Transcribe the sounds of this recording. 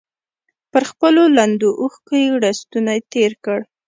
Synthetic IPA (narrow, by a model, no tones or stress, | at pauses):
pəɾxpəloland̪oʔuxkəjɽast̪unaet̪eɾkəɽ